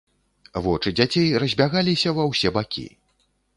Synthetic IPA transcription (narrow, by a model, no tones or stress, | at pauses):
vɔt͡ʂɨd͡zʲat͡sʲejrɐzʲbʲaɣalʲisʲɐvɐwsʲɛbakʲḭ